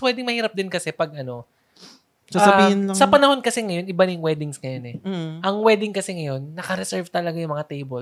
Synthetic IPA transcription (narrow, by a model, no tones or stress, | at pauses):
pwɛːd̪ɪŋmɐhiːɾɐp̚d̪ɪnkɐsɛpɐɡ̚ʔɐno̞ | sasɐbihɪnlɐsɐppɐnɐho̞nkɐsɛŋɐjo̞nʔɪbanjʊŋwɛːd̪ɪŋsŋɐjo̞nɛʔɐŋwɛːd̪ɪŋkɐsɛŋɐjo̞nːɐkɐɾɛsɛɹvt̪ɐlɐɡajʊŋmɐŋat̪ejbol